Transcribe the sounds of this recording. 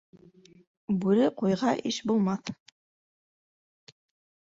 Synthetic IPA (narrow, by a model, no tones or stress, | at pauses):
bʉɾɘqujʁɑʔɘʃbulˠmɑθ